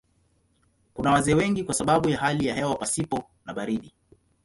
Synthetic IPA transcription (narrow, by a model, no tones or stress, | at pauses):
kunawazɛːwɛŋɡikwasaɓaɓujaɦalijahɛwapasipɔ | naɓaɾiɗi